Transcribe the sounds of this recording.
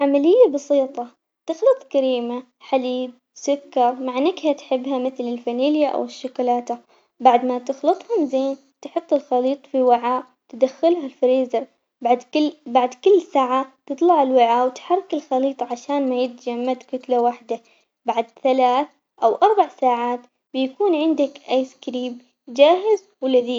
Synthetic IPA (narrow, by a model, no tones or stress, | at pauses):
ʕamalɪjːabɑsiːt̪ˤɑ | t̪ɪxlɨt̪ˤkaɾiːma | ħad̪iːd̪̚ | sʊkːɑɾˤmaʕɪnːakhat̪ħɪbːɦamɪθlɪlfaniːljaʔa̰wɪʃːʊkːlaːt̪a | baʕd̪mat̪ɪxlɨt̪ˤhʊmzeːn | t̪ħʊt̪ˤːɨlxɑliːt̪ˤfiwaʕaː | t̪ɪd̪axːɪlɦalfɾiːzɑɾˤ | bad̪baʕd̪kɪlːsaːʕat̪ɨt̪ˤlɑʕɪlwɪʕaːwɪt̪ħɑrˤːɑkɪlxɑliːt̪ˤʕaʃaːnmajɪt̪d͡ʒamːad̪kʊt̪lawaħd̪a | baʕd̪θalaːθ | ʔawʔɑɾˤbaʕsaːʕaːt̪ | bɪjakuːnʕɪnd̪akʔajskɾiːb | d͡ʒaːɦɪz | wɪlaðiː